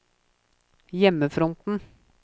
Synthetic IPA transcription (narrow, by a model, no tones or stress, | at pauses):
jɛmːəfɾɔnt̪n̩